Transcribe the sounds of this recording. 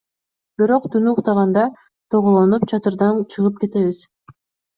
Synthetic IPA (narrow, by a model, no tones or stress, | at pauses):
b̥iɾo̞qt̪ʰunuːqt̪ɑʁɑnd̪ɑ | t̪ʰoʁolˠonup̚t͡ʃʰɑt̪ɯɾd̪ɑnt͡ʃʰɯʁɯp̚ke̞t̪e̞βiz̥